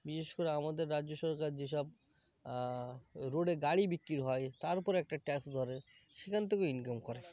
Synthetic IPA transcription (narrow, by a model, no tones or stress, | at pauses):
biʃeʃkoɾeamad̪eɾːad͡ʑoʃɔɾkaɾd͡ʑeʃɔb̚ | ɾoɽeɡaɽibikːɾiɾɦɔet̪aɾpɔɾɛk̚ʈaʈɛksd̪ʱɔɾe | ʃekʰant̪ʰekeinkamkɔɾe